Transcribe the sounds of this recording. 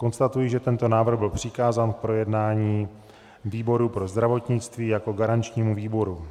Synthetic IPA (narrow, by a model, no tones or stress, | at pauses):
ko̞nst̪at̪ujiʒɛt̪ɛnt̪o̞naːvr̩ɣbɪlpr̝̥ɪkaːzaːnk̚pɾo̞jɛdnaːɲiː | viːbo̞ɾupɾo̞zd̪ɾavo̞t̪ɲɪt͡st̪viːjako̞ɡaɾant͡ʃɲiːmuviːbo̞ɾu